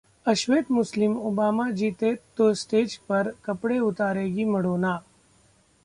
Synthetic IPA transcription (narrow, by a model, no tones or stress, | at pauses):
ɐʃʋeːt̪mʊslɪmʊbaːmad͡ʒiːt̪eːt̪ːoːsʈeːd͡ʒpɐɾkɐpɽeʊt̪aːɾeːɡiːmɐɽoːnaː